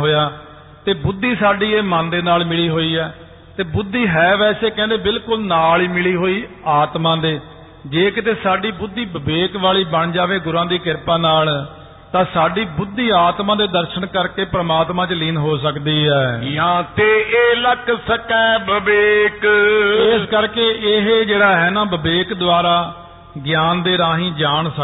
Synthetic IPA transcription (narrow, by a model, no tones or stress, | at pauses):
ɦoːjaː | t̪eːbʊd̪ːiːsaːɖiːeːmãːnd̪eːnaːlmɪliːɦoːiːɛː | t̪eːbʊd̪ːiːɦɛːʋɛːseːkɛ̃ːnd̪eːbɪlkʊlnaːliːmɪliːɦoːiː | aːt̪mãːd̪eː | d͡ʒeːkt̪eːsaːɖiːbʊd̪ːiːbəbeːkʋaːɭiːbəɳd͡ʒaːʋeːɡʊɾãːd̪iːkɪɾpãːnaːl | t̪ãːsaːɖiːbʊd̪ːiːaːt̪mãːd̪eːd̪əɾʃəɳkəɾkeːpɾəmaːt̪mãːt͡ʃlɪːnɦoːsəkd̪iːɦɛːjãːt̪eːeːləksəkɛːbəbeːkɪskəɾkeːʔɪɦeːd͡ʒeːɽaːɦɛːnãːbəbeːkd̪ʊaːɾaː | ɡɪjaːnd̪eːɾaːɦĩːd͡ʒaːɳsə